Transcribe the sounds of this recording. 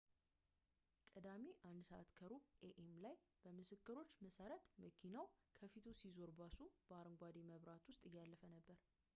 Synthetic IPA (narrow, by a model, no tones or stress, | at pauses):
kʼəd̪amiʔand̪səʔa̰t̪kʰəɾuʔeʔemlajb̥əmɨsɨkːɨɾo̞t͡ʃːməsəɾət̪məkʰinawkʰəfit̪ʰusizo̞ɾbasub̥əaɾɨŋɡʷad̪eməβɾat̪wʊst̪ʼɨjːalːəfənəbːəɾ